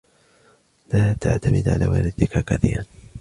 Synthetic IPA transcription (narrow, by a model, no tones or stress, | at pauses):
laːt̪aʕt̪amɪd̪ʕa̰laːwa̰ːlɪd̪ɪkakaθḭːɾan